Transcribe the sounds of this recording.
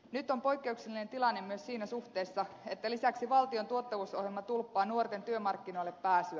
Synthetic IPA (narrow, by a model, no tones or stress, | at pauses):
nyt̪ːo̞mpo̞jkːe̞ukselːine̞nt̪ilɑnːemmyøssiːnæsuht̪e̞ːsːɑ | e̞t̪ːælisæksiʋɑlt̪io̞nt̪uot̪ːɑʋuso̞hjelmɑt̪ulpːɑːnuort̪e̞nt̪yømɑrkːino̞ilːepːæːsyæ